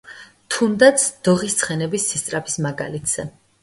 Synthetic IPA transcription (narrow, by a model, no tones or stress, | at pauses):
t̪ʰund̪at̪sʰd̪̥ɔʁist̪sʰχɛnɛbisːist̪sʼɾapʰi̥smaɡa̰lit̪ʰz̥ɛ̰